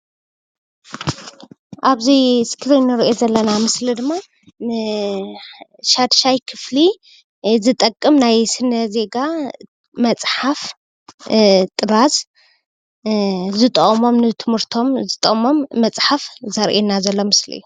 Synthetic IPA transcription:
ʔaβziskʰɾinːɨɾʔezɐlːɐnamɨslid̪ɨmːa | ʃad̪ʃajkʰɨfli | zɨt̪ʼɐkʼːɨmnajsɨnːɐze̞ɡa | mɐt͡sʼħaf | t̪ʼɨɾaz | zɨt̪ʼɐʔʼmo̞mnɨt̪ʰɨmɨɾt̪ʰo̞mzɨt̪ʼɐʔʼmo̞mːɐt͡sʼħafzɐɾʔenːazɐlːo̞mɨslḭjːu

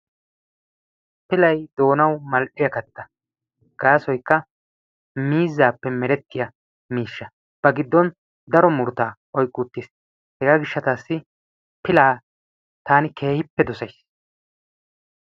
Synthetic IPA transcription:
pɪlɐjd̪o̞ːnɐwmɐlʔɪjɐkɐt̪ːɐ | ɡ̥aːsɔjkːɐ | miːzːaːpːɛmɛɾɛt̪ːɪjɐ | miːʃːɐ | b̥ɐɡɪd̪ːɔn | d̪ɐɾɔmʊɾt̪aː | ɔjkʼːuːt̪ːiːs | hɛɡaːɡɪʃːɐt̪aːsːɪ | pɪlaː | t̪aːnɪkʰe̞ːhɪpːɛd̪ɔsɐjs

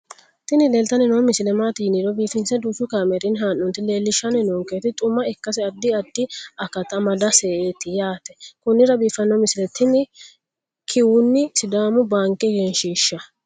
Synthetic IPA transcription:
t̪ɪnɪleːlt̪ɐnɪnoːmɪsɪlɛmaːt̪iːnɪɾɔbiːfɪnsɛd̪uːsʊkaːmɛɾɪnɦaːnːɔnt̪ːɪle̞ːlːɪʃːɐnɪnoːŋkeːt̪ɪt̪ʼʊmːɐɪkːɐsɪɐd̪ːɪɐd̪ːɪɐkɐt̪ɐmɐd̪ɐseːʔeːt̪ɪjaːt̪ɛ̥kʊnːɪɾɐbiːfɐnːɔmɪsɪlɛt̪ʰɪnɪ | kʰɪwʊnːɪsɪd̪aːmʊbaːŋkːɛɡɛnʃiːʃːɐ

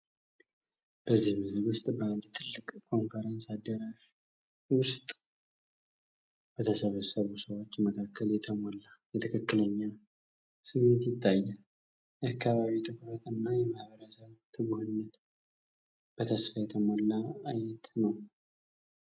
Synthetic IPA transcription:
b̥əzːihmɨzlwʊst̪ʼbəld̪t̪ʰɨlːɨkʼkʰo̞nfəɾənsad̪ːəɾaʃ | wʊst̪ʼ | b̥ət̪ʰəsəβəsəβusəwo̞t͡ʃːməkʰakːəljɛt̪ʰəmolːajɛt̪ʰəkʰəkːɨləɲːa | sɨmːet̪jɪt̪ʰʼːajːal | ʔakːaβaβit̪ʰɨɡuhət̪ɨnːajɛmahβəɾəsəβt̪ʰɨɡuhɨnːət̪ | b̥ət̪ʰəsfajɛt̪ʰəmolːaajɛt̪nəw

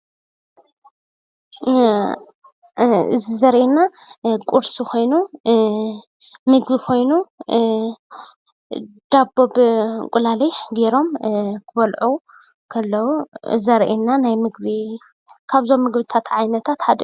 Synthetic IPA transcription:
ɨ̰zizɐɾʔenːakʼuɾsikʰo̞jnu | mɨɡbikʰo̞jnu | d̪̥abːobkʼulaliħɡeɾo̞mkʰɨβɐlʕu | kʰɐlːɐwuzɐɾʔenːanajmɨɡ̚bi | kʰaβzo̞mːɨɡbɨt̪ʰat̪ʕajnɐt̪ʰat̪had̪

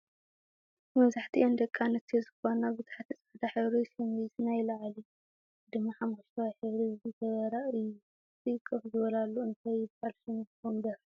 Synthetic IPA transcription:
mɐβzaħt̪ʰḭʔond̪ɐkʼːanɨt̪ʰezɨxonaβɨt̪ʰḁħat̪ʰɨt͡sʼaʕd̪aħɨβɾisɐmeznajlɐʕali | d̪ɨmːaħamuʃt̪ʰawiħɨβɾizzɨt̪ʰɐβɐɾaʔɨju | tɨkʼːɨxzɨβɐlalːuɨnt̪ʰajɪbalsɨnbombɐɾ

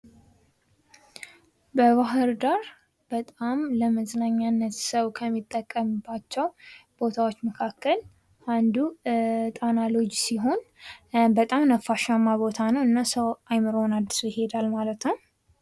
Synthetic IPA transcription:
bəβaɦɨɾd̪aɾ | b̥ət̪ʼamləməznaɲːanːət̪səwkʰəmːit̪ʼːəkʼːəmbːat͡ʃːɛwb̥o̞t̪ʰawot͡ʃːməkʰakʰːəl | ʔand̪ut̪ʼanalo̞d͡ʒsiɦo̞n | bət̪ʼamnəfːaʃamːabo̞t̪ʰanəwɨnːasəwajmɨɾonad̪ːɨsujɪɦe̞d̪almalət̪nəw

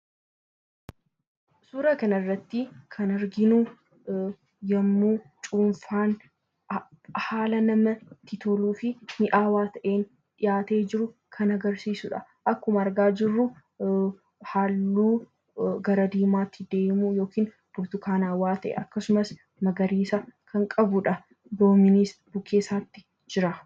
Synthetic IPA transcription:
suːɾɐkɐnɐɪrːɐt̪ːɪkʰɐnɐɾɡɪnu | jɐmːuːt͡ʃʼuːnfaːn | haːlɐnɐmɐt̪ɪt̪ɔluːfɪmɪʔaːwaːt̪ɐʔeːn | ᶑɪjaːt̪e̞ːd͡ʒɪɾʊkʰɐnɐɡɐɾsiːsʊᶑɐ̰ | ʔɐkːʊmɐːɾɡaːd͡ʒɪrːʊ | halːuː | ɡɐɾɐd̪iːmaːt̪ːɪd̪e̞ːmujo̞ːkiːn | bʊbt̪ʊkaːnaːwaːt̪ɐʔɛ̰ʔɐkːɐsʊmɐs | mɐɡɐɾiːsɐkʰɐŋkʼɐbʊᶑɐ | d̪oːmɪnisb̥ʊkːeːsaːt̪ːɪ̥ | d͡ʒɪɾɐ

